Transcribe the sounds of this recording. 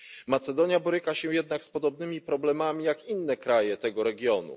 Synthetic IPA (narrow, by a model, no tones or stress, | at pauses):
mat̪sɛd̪ɔɲjabɔɾɘkaɕɛjɛd̪nakspɔd̪ɔbnɘmʲipɾɔblɛmamʲijakinːɛkɾajɛt̪ɛɡɔɾɛɡʲjɔnṵ